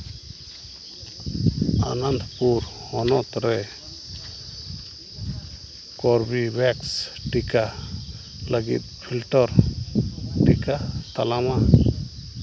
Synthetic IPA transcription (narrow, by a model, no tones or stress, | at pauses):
a̰nand̪ʱpuɾ | hɔnɔt̪ɾɛ | kɔɾbibɛksʈika | laɡḭt̪̚pʰilʈɔɾ | ʈikat̪alama